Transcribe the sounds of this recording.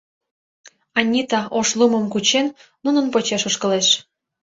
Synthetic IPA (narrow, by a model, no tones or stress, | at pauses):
ɑnʲːit̪ɑoʃluməmkut͡ɕenː | unənpot͡ɕeʃoʃkə̆leʃ